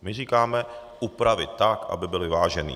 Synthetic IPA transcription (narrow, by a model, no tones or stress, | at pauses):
mɪriːkaːmɛʔuːpɾavɪt̪akʔa̰bɪbɪlɪvaːʒɛnḭː